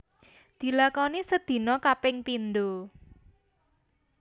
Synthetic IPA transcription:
d̪̥i̤lakɔnisəd̪̥i̤nɔkapɪŋpind̪o

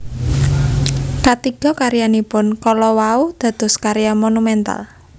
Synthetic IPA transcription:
kat̪iɡ̥ɔ̤kaɾijanipʊnkɔlɔwaud̪̥a̤d̪̥ɔ̤skaɾijamonumɛnt̪a̰l

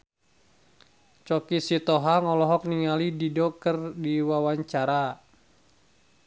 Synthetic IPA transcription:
t͡ʃɔkisit̪ɔɦaŋɔlɔɦɔk̚niŋalididɔkərdiwawaɲt͡ʃaɾa

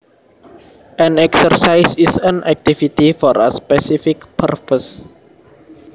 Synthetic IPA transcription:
ʔɛ̃nɛksərsajsisə̃nʔɛk̚t̪ifit̪ifɔɾə̰spɛsifikpʰərpəs

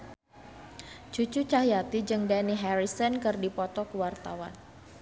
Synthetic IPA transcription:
d͡ʒut͡ʃut͡ʃahɦjat̪id͡ʒɨŋdaniɦɛɾisənkɨrdipɔt̪ɔkuwart̪a̰wa̰n

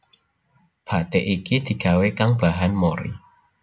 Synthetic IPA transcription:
pʰat̪eʔikid̪̥i̤kawekaŋb̥aɦanmoɾḭ

